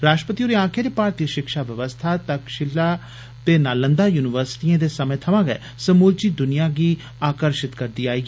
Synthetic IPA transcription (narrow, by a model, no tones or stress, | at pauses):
ɾaːʃʈɾəpət̪ioːɾiãːkʰeːɾeːpaːɾt̪jəʃɪkʃaːʋəʋəst̪ʰat̪əkʃɪla | t̪eːnaːlə̃nd̪aːjuːnɪʋəɾsɪ̥ʈiẽːd̪eːsəmẽːt̪ʰəʋãːɡɛ̰ː | səmuːlt͡ʃiːd̪ʊnɪjaːɡiː | aːkəɾʃɪt̪kəɾd̪iːaːiːɡː